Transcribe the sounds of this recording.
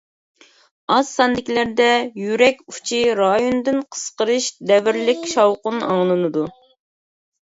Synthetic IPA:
ɑz̥sɑnd̪ɪkʲilæɾd̪ɛjyɾɛkʲu̥t͡ʃʰiɾɑjond̪ɨnqʰə̥sqəɾɨʃd̪ɛvɪɾlɪkʲʃɑwqʊnɑ̰ŋlˠɨnɨd̪u

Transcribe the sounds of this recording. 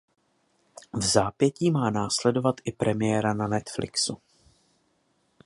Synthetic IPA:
vzaːpjɛciːmaːnaːslɛdo̞vat̪ʔɪpɾʔɛmɪjɛɾananɛt̪flɪ̰ksṵ

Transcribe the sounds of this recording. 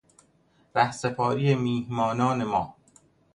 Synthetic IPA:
ɾæhsepʰɒːɾijemiːhmɒːnɒːne̞mɒː

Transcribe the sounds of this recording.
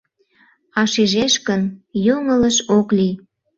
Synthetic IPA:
ɑʃiʒeʃkənjoŋələʃokli

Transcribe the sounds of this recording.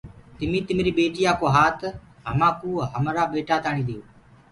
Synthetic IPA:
t̪ɪmĩːt̪ɪmːɾiːɓeːʈiːaːkoːɦaːt̪ʰ | ɦə̰mãːkũːɦəmɾaːɓeːʈaːt̪aːɳiːd̪ijoː

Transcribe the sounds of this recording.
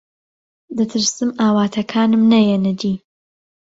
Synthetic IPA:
d̪ɨt̪ʰɨɾsɨmʔaːwaːt̪ʰɐkʰaːnɨmnɐjɛnɨd̪iː

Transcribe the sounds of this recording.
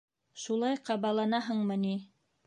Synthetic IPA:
ʃulˠɑjqɑβɑlˠɑnɑɦɤɴmɤni

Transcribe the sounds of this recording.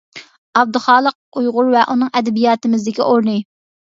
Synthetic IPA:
ɑb̚d̪ɨχɑːlˠəq̚ujʁʊɾvɛʔunɨŋɛd̪ɛbijɑːt̪ɨmɪzd̪ɪkʲiʔoɾnɨ

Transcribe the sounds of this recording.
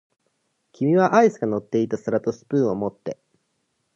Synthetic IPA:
kʲimʲiβaʔaisɨɡano̞t̪ːe̞it̪asɨɾat̪o̞sɨ̥pɯ̟ːo̞mo̞t̪ːe̞

